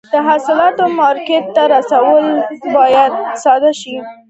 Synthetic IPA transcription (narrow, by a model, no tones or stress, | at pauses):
d̪̥əɦasɪlɑt̪omɑɾkeʈ̪̚ːaɾasawəlbɑjad̪̚sɑd̪aʃi